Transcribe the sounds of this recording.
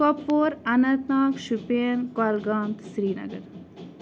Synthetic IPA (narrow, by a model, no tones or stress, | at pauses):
kopːoːɾɐnɐ̃t̪naːkʃupeənkɔlɡaːnt̪sɾiːnɐ̰ɡə̰ɾ